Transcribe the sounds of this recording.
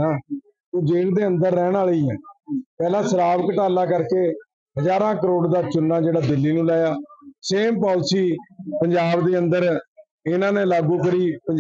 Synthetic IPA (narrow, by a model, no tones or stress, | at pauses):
ãː | oːd͡ʒeːɽd̪eːə̃nd̪əɾːɛːɽaːɭiːɛːpɛːlãːsəɾaːʋkəʈaːlaːkəɾkeː | ɦəd͡ʒaːɾãːkəɾoːɽd̪aːt͡ʃʊnːãːd͡ʒeːɽaːd̪ɪlːiːnũːlaːjaːseːmpaːʊt͡ʃʰiːpəɲd͡ʒaːbd̪eːənd̪əɾ | ɪnãːnẽːlaːɡũːk̬əɾiːpə